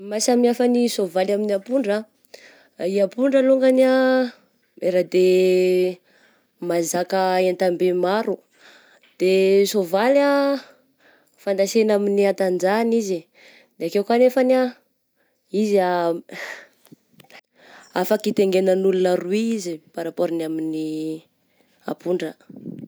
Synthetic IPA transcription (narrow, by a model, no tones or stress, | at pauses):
masamiafanisovalaminiapuɳɖ͡ʐə | iapuɳɖ͡ʐəluŋɡania | eɾad̪e | mazakəent̪ambemaɾu | d̪̥esovala | fand̪asenaminiat̪and͡ʒanizi | d̪̥eakewkanefana | iza | afakit̪eŋɡenənulunəruiizipaɾapoɾinamini | a̰puɳɖ͡ʐə